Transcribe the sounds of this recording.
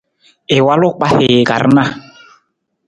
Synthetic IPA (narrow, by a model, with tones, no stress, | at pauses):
ɪ˨wa˦lʊ˦k͡pa˦hɪ˨ɡa̰˨ɾna˦